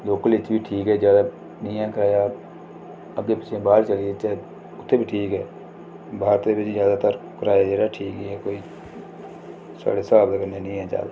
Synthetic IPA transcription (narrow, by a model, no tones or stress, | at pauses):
boːkəlɪt̪ʰːbiːʈʰiːkɦɛːd͡ʒjaːd̪aː | nɪjãːkəɾaːjaː | əɡeːpɪt͡ʃʰẽːbaːɾt͡ʃəlieːt͡ʃaː | ʊt̪ʰːeːbiːʈʰiːkɦɛː | bʱaːɾt̪eːbɪt͡ʃzjaːd̪aːt̪əɾkəɾaːjaːd͡ʒaːdaːʈʰiːkɦɛɛkoːiː | sa̰ːɽeːsəaːbət̪kəɾneːnɪ̃ːãːd͡ʒa̰ːd̪aː